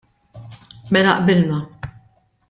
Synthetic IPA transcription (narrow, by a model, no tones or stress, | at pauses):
mɛlɐ̰ʔbɪlnɐ